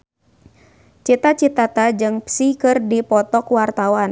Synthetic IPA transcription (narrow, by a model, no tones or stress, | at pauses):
t͡ʃit̪at͡ʃit̪at̪ad͡ʒɨŋpsikɨrdipɔt̪ɔkwart̪awan